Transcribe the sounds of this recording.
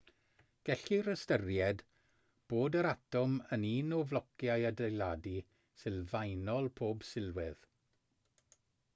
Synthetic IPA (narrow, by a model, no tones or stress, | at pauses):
ɡ̥ɛɬiɾəstərjɛd | b̥oːdəɾatɔməniːnɔvlɔkjajədejlˠadi | sɨlvajnɔlˠpʰoːb̥sɪlˠwɪð